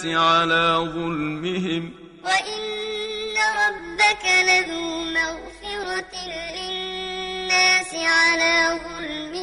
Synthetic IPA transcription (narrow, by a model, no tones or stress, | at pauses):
ɪʕalaːðˤʊlmɪɦɪm | waʔɪnː | aɾˤɑbːakalaðuːmaɣfɪɾɑt̪lɪnːaːsɪʕalaːðˤʊlmɪ